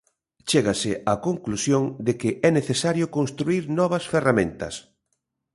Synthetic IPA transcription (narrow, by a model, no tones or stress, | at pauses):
t͡ʃeɣasɪakoŋklusjoŋd̪ɪkɪʔɛneθesaɾjʊkonst̪ɾuiɾnɔβɐsferamẽnt̪ɐ̰s